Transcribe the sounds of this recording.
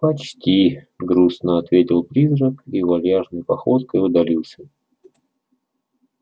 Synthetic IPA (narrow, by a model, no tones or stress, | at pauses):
pɐt͡ɕtʲi | ɡɾusnəɐt̪vʲetʲɪlˠpɾʲizɾəkivɐlʲjaʐnəjpɐxot̪kəjʊd̪ɐlʲilˠsʲə